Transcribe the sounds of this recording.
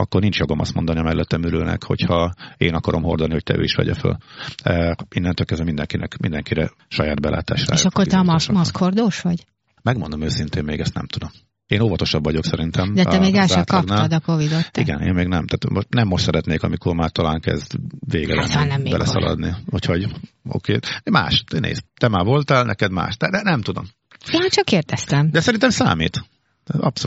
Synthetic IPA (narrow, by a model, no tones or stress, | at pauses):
ɒkːornint͡ʃjoɡomʔɒ̰st̪mo̞nd̪ɒniɒmɛlːɛt̪ːɛmyɾøːnɛ̰kho̞̰chɒeːnɒkɒɾomɦo̞rd̪oniho̞c̚t̪ɛ̰ʔø̰ːiʃʋɛ̰ɟɛ̰fø̰l | inːɛnt̪øːlkɛzɛmind̪ɛŋkinɛkmind̪ɛŋkiɾɛ | ʃɒjaːd̪̚bɛlʔa̰ːt̪a̰ːʃra̰ːjʃɒkkːort̪ɛmmɒsskhord̪oːʃʋɒɟ | mɛɡmond̪omøːsint̪eːmmeːɡɛst̪nɛmt̪ud̪o̞m | eːnoːvɒt̪o̞ʃɒbvɒɟo̞ksɛɾint̪ɛmd̪ɛɛmeːɡɡɛlʃʃɛtkːɒɡp̪aːlɔd̪ɒkovid̪ot̪ːiɡɛnḛːmmeːɡnɛmt̪aːt̪moʃt̪nɛmːoʃt̪sɛɾɛt̪neːkɒmikormaːrt̪ɒlaːŋkɛ̰zd̪veːɡɛ̰lɛ̰nannɛmːebɛlʔɛ̰sɒ̰lɒ̰d̪nihocho̞ɟo̰keːma̰ːʃnḛːst̪ɛmaːvo̞lt̪alnʔɛkɛd̪ma̰ːʃd̪ɛd̪ɛnɛmt̪ud̪o̞m | eat͡ʃɒkːeːrd̪ɛst̪ɛmd̪ɛsɛɾint̪ɛmsa̰ːmḭt̪ | ɒpso